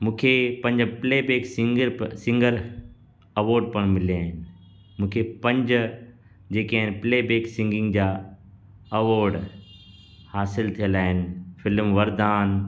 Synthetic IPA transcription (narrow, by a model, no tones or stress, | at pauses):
mũːkʰepɐ̃ɲd͡ʑpleːbeːksɪŋɡɾsɪ̃ŋɡəɾ | ɐʋoːɾɖ̚pɐɽ̃mɪliaːɦɪnɪ̆ | mũːkʰepɐ̃ɲd͡ʑ | d͡ʑeːkaːɪnpleːbeːksɪ̃ŋɡɪ̃ŋɡd͡ʑaː | ɐʋoːɾɖ | haːsɪlt̪ʰijəlaːɦɪnɪ̆fɪlmʋɐɾd̪aːn